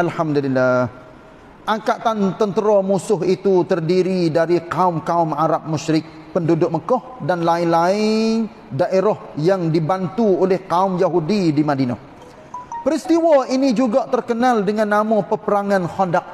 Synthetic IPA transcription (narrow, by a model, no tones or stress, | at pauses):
alhamdulilːah | ʔaŋkat̪ant̪ənt̪əɾɔmusʊɦit̪ut̪ərdiɾidaɾikaʊmkaʊmaɾap̚mʊʃɾɪk̚ | pəndudʊk̚məkɔhdanlaɪnlaɪn | daʔeɾɔhjaŋdibant̪uolɛhkaʊmjaɦudidimadina̰ | pəɾist̪iwainid͡ʒuɡaʔt̪ərkənaldəŋanːamɔpəpəɾaŋanhɔndak̚